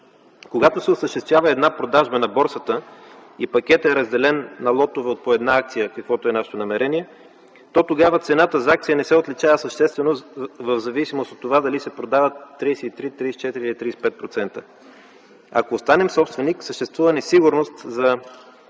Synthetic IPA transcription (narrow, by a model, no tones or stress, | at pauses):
koɡat̪osɛosəʃt̪ɛst̪vʲjavəɛd̪napɾod̪aʒbənɐbɔɾsət̪əipɐkʲɛt̪ɛɾɐzd̪ɛlɛnːɐlˠɔt̪ovɛot̪̚poɛd̪naak̚t̪sijəkɐkvɔt̪oɛnaʃɛ̥t̪onɐmɛɾɛniɛ | t̪ɔt̪oɡavət̪sɛnat̪əzak̚t̪ijənɛsɛot̪lit͡ʃavəsəʃt̪ɛst̪vɛnovəvzɐvisimost̪ot̪ːovad̪ɐlisɛpɾod̪avət̪ːɾisiit̪ɾit̪ɾisit͡ʃɛt̪iɾilit̪ɾisi̥pɛt̪̚pɾot̪sɛnt̪ə | ɐ̰koːst̪anɛmsɔpst̪vɛniksəʃt̪ɛst̪vuvɐnɛsiɡʊɾnost̪zɐ